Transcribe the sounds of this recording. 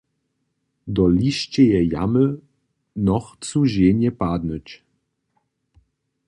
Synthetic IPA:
d̪ɔliʃt͡ɕɛjɛja̰mə | nɔxt͡suʑeɲɛpad̪nət͡ɕ

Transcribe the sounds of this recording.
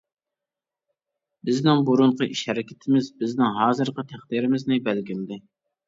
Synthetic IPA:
bɪznɪŋbuɾuɴqəʔiʃhɛɾɪkʲɪ̥t̪ʰɪmɪzbɪznɪŋɦɑːzɨɾqət̪ʰæχd̪iɾɪmɪznɪbælɡʲimd̪ɪ

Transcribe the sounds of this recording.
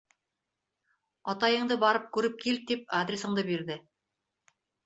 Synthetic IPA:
ɑt̪ɑjɤ̆ɴd̪ɤbɑɾɤp̚kʉɾɘp̚kilt̪ip̚ad̪ɾʲesɤ̆ɴd̪ɤbiɾdɘ

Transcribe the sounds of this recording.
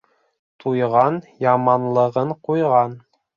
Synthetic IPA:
t̪ʰujʁɑnjɑmɑnlˠɤ̆ʁɤɴqujʁɑn

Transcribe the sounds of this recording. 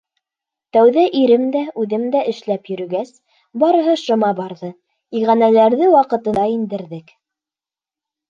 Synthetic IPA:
t̪æwðæʔiɾɘmd̪æʉðɘmd̪æʔɘ̆ʃlæpjɵ̆ɾɘ̆ɡæs | bɑɾɤ̆ɦɤʃɤ̆mɑbɑɾðɤ | iʁænælæɾðɘwɑqɤ̆t̪ɤ̆ɑind̪ɘ̆ɾðɘk

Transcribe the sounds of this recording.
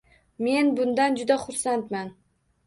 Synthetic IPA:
me̞nbʊnd̪and͡ʒʊd̪aχʊɾsant̪man

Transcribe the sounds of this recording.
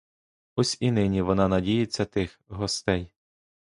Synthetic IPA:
ɔsʲinɪnʲiʋɔnɑnɐdʲijɪt͡sʲːɐt̪ɪx | ɦɔst̪ɛj

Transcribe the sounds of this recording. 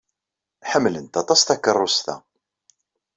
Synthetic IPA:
ħəmːlənt̪ɑt̪ˤɑst̪ækːərˤːost̪æ̰

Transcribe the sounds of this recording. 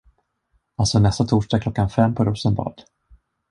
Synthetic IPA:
alsɔnɛst̪at̪ʰuːʂɖɑkʰlɔkːanfɛmːpʰɔɾɵːsənbɑ̰ːd̪̥

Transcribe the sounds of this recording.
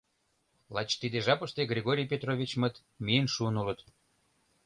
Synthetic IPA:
lˠɑt͡ɕt̪id̪eʒɑpəʃt̪eɡrʲeɣoɾʲijpʲet̪rovʲit͡ɕmət̪ | mijənʃuənulə̆t̪

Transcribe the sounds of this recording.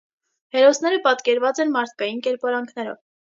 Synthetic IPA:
hɛɾɔsnɛɾəpɑt̪kɛɾvɑt͡sɛnmɑɾt̪ʰkɑjinkɛɾpɑɾɑŋkʰnɛɾɔ̰v

